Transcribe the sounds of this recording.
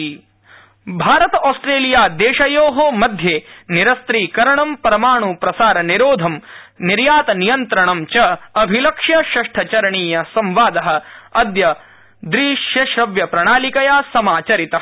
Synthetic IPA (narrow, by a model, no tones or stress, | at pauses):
bʱaːɾɐt̪ɐaːsʈɾeːlijaːd̪eːʃɐjoːɦoːmɐd̪ʱjeːniɾɐst̪ɾiːkɐɾɐɳɐmpɐɾɐmaːɳupɾɐsaːɾɐniɾoːd̪ʱɐmniɾjaːt̪ɐnijɐnt̪ɾɐɳɐmt͡ʃɐɐbʱilɐkʂjɐʃɐʂʈʰɐt͡ʃɐɾɐɳiːjɐsɐmʋaːd̪ɐɦɐ̆ɐd̪jɐ | d̪ɾiʃjɐʃɾɐʋjɐpɾɐɳaːlikɐjaːsɐmaːt͡ʃɐɾit̪ɐ